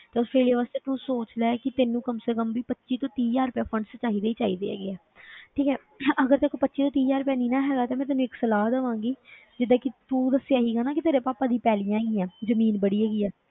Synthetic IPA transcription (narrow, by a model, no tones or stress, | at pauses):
t̪eːʊspʰeːlijaːʋaːst̪eːt̪uːsoːt͡ʃd̪aːɛːkɪt̪eːnũːkəmseːkəmʋiːpətːʃiːt̪õːt̪iːd͡ʒaːɾʊpjaːpʰəɳst͡ʃaːiːd̪eːiːt͡ʃaːiːd̪ḛːɛ̰ːɡeːɛː | ʈʰiːkɛː | əɡəɾt̪eːkoːpətːʃiːt̪õːt̪iːd͡ʒaːɾʊpjaːniːnaːɦɛːɡaːt̪ẽːmɛ̃ːt̪enũːɪksəlaːd̪əʋãːŋɡiː | d͡ʒɪd̪ãːkɪt̪uːd̪əsejaːɦiːɡaːnãːkɪt̪eːɾeːpaːpaːd̪iːpɛːlijãːɛːɡiːãːzəmiːnbəɽiːɦɛːɡiːɛː